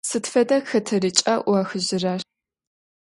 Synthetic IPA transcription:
sɨtfɐdɐxɐtʰɐrit͡ʃʼɐʔʷɐxɨʑɪrɐ

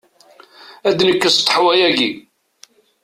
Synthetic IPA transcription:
æd̪nəkːəst̪ˤːħwæjæɡi

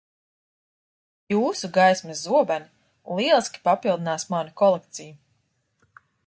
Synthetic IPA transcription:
juːsuɡajsmɛzzuɔbani | lˠiɛlˠiskʲi̥papilˠd̪inaːsmanukɔlˠek̚t̪siju

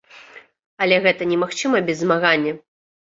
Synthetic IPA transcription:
ɐlʲɛɣɛt̪ɐnʲɛmaxt͡ʂɨmɐbʲɛzːmaɣanʲːɐ

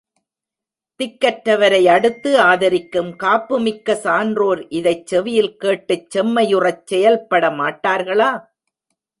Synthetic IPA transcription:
t̪ɪkːɐʈɾɐʋɐɾɐɪɐɽɯt̪ːɯaːðɐɾɪkːɯmkaːpːɯmɪkːɐsaːndroːɾʔɪðɐɪt͡ʃːɛʋɪjɪlkeːʈːɯt͡ʃːɛmːɐjɯrɐt͡ʃsɛjɐlpːɐɽɐmaːʈːaːɾɣɐɭaː

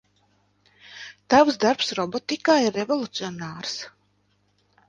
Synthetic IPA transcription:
t̪avsd̪aɾpsɾɔbɔt̪ikaːiɾevolˠut̪siɔnaːɾs

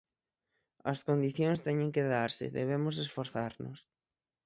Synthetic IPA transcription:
ɐskond̪iθjõŋst̪ɛɲẽŋkeðaɾsɪ̰ðḛβ̞emʊs̬esfoɾθaɾnʊ̰s

